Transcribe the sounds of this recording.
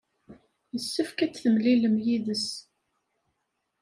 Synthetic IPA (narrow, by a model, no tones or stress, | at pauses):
jəsːəfkæt͡sːθəmliləmjiðəs